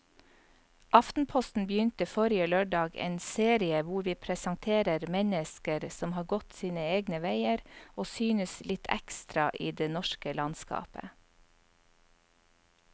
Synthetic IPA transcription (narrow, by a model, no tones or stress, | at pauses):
ʔɑft̪n̩pʰɔst̪n̩bəjʏnt̪əfɔɾɪəløːɖɑːɡḛːnseːɾɪəʋʊɾʋiːpʰɾɛsɑŋt̪ʰeːɾəɾmɛnəskəɾsɔmhɑːɾɡɔt̪siːnəeːɡnəʋæɪəɾʔoːsyːnəslʔɪt̪ʰæ̰kst̪ɾɑʔiːd̪eːnɔʃkəlɑnskɑ̰ːpə̰